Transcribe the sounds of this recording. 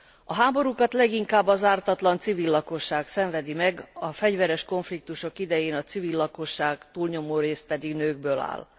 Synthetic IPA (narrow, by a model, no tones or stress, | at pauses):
ɒɦaːbo̞ɾukɒt̪lɛɡiŋkaːbːɒzaːrt̪ɒt̪lɒnt̪sivilːɒko̞ʃːaːksɛɱvɛd̪imɛɡɒfɛɟvɛɾɛʃko̞ɱflik̚t̪uʃo̞kid̪ɛjeːnɒt̪sivilːɒko̞ʃːaːɡt̪uːlɲo̞moːɾeːst̪̚pɛd̪iɡnøːɡ̚bøːla̰ːl